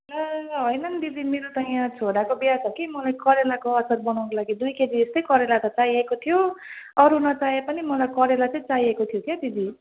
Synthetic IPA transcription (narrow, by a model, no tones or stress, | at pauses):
laɦʌjnʌnd̪id̪imeɾot̪ʌjãt͡sʰoɽakobasʰʌkimʌlajkʌɾelakoʌsʌɾbʌnaw̃nkolaɡid̪ujked̪iest̪ʌjkʌɾelat̪ʌt͡saiekot̪ʰijoʌɾunʌt͡saepʌnimʌlajkʌɾelat͡sʌĩt͡saiekot̪ʰijok̪ʰjad̪id̪i